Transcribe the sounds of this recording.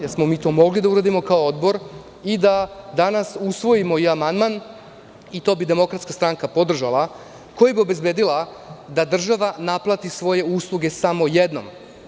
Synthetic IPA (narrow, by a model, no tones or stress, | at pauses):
jeɾsmo̞miːt̪o̞ːmo̞ɡlid̪auɾad̪imo̞kaood̪bo̞ɾ | id̪ad̪anasusʋo̞jimo̞iamand̪man | it̪o̞ːbid̪e̞mo̞kɾat̪skast̪ɾaŋkapo̞d̪r̩ʒalˠa | ko̞jabio̞be̞zbe̞ːd̪ilˠa | d̪ad̪r̩ʒaʋanaplˠat̪isʋo̞je̞uːslˠuɡe̞samo̞je̞d̪no̰m